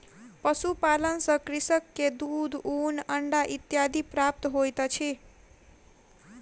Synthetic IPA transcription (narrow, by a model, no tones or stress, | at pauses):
pʌsupalʌnsʌkrisʌkːed̪ud̪unʌɳɖaʔit̪jad̪iprap̚t̪ʌɦojt̪ʌt͡sʰi